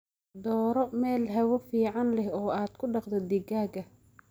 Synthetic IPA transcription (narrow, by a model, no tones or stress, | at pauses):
d̪ɔːɾɔmɛːlɦɛwɐfiːʕɑnlɛhɔːaːd̪̥kʰʊɖɑqd̪ɛd̪ɪɡaːɡɐ